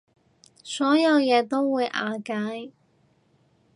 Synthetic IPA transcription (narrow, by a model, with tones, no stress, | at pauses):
sɔː˨˥jɐ˨˧wjɛː˨˧t̪o˥wwuː˨˧jʔa̰ː˨˧kaː˨˥j